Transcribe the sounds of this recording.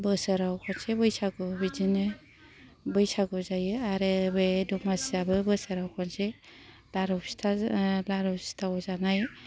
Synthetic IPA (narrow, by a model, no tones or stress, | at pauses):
bɯsɯɾawkʰɔnsebɯjsaɡɔbid͡ʒinɯ | bɯjsaɡɔzajɯaɾɯbeduŋasiabɯbɯsaɾawkʰɔnse | laɾɔ̥tʰalaɾɔsi̥tʰawɔzanaj